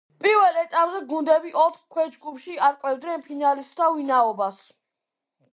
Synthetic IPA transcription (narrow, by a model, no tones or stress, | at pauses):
pʼiɾwɛlɛt̪ʼapʼzɛɡund̪ɛbiʔɔt̪χkʰwɛd͡ʒɡupʰʃiaɾkʼwɛvd̪nɛnpʰinalisd̪ʰavinaɔbas